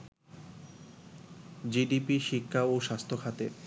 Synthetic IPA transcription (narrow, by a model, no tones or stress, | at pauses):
d͡ʑiɖipiʃikʰːaoʃast̪ʰokʰat̪e